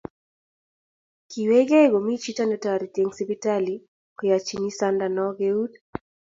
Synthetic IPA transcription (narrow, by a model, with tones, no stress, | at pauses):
ki˨wɛ˦ɡɛ˦ɡɔ˨mi˦t͡ʃi˦ta˦nɔ˧ta˨ɾi˨t̪ɛŋsipi˦tali | kɔ˨ja˨t͡ʃi˨ni˦sa˦ndanɔɡɛud